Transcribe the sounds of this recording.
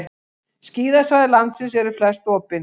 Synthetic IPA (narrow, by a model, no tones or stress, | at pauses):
sciːðasvaðɪlant̪sɪnsɛɾʏflɛst̪ɔːpɪn